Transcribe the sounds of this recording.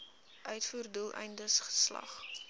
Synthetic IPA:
ʔœɥtfuːrdulˠʔɛ̰jndəsχə̥slɐ̰χ

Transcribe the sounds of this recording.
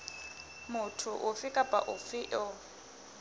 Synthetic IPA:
mʊtʰʊʔʊfɪkʼapʼa̰ʔʊfɪʔɔ

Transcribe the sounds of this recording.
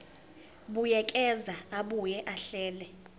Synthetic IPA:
ɓujɛkʼɛzaaɓujɛʔaɬɛːlɛ

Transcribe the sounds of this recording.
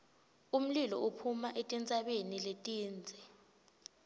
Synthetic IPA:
um̩lilɔ̰upʰumaʔetʼint͡sʼaɓeniletʼiːnd͡zʱɛ

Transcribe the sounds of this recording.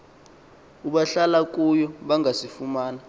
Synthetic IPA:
uɓaɬalak̬ʼujɔɓaŋasifumaːna

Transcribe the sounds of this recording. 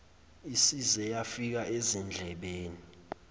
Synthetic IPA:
isizɛjafik̬aʔezɛnd͡ɮʱɛɓeːni

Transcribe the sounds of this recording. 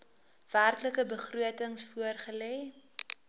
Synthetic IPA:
v̥ærkləkəbəχruətəŋsfuərχəlɛː

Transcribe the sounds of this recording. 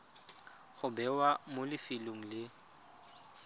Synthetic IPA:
ɣʊbɛwamolɪfɪloŋ̩lɪ

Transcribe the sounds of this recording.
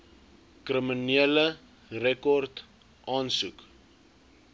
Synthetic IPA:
krəminiələ | rɛkɔrt | ʔɑːnsuk

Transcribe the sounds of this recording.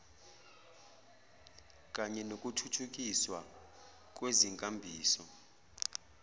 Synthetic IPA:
k̬ʼaɲɛnokʼutʰutʰuk̬ʼiswa | k̬ʼweziŋkʼambʱiːsɔ

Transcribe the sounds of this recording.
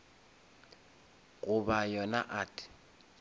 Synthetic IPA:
ɣʼʊbajɔna̰ʔatʼɪ̥

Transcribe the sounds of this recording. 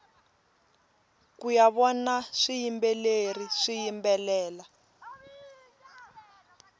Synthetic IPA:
kujaβɔnaʂijimbɛleriʂijimbɛlɛːla

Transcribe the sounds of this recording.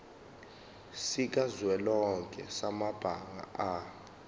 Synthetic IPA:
sik̬ʼazwɛlɔŋkʼɛ̰samab̥ʱaŋa̰a

